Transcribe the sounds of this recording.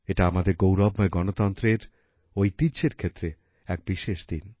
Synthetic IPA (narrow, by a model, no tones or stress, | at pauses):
eʈaamad̪eɾɡowɾɔbmaeɡɔnot̪ɔnt̪ɾeɾ | ojt̪iɕeɾkʰet̪ːɾe | ɛk̚biʃeʃd̪in